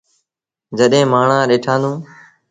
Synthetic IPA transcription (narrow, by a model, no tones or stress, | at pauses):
d͡ʒəɗẽːmaːɳãːɗeːʈʰãːnd̪ũː